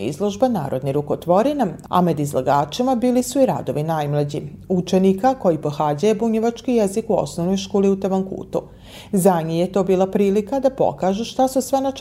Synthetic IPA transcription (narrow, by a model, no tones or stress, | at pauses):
ḭzlˠoʒbana̰ːɾo̞d̪niɾukot̪ʋo̞ɾinaa̰med̪izlaɡaːt͡ʃimabiːlisuiɾa̰d̪o̞ʋinajmlˠad͡ʑḭut͡ʃenikako̞jipoxaːd͡ʑajebuɲeʋat͡ʃkijezikuo̰snoʋno̞jʃkoːliut̪aʋaŋkṵːt̪u | zaɲijet̪o̞ːbiːlˠapɾiːlikad̪apo̞̰kaːʒuʃt̪asusʋena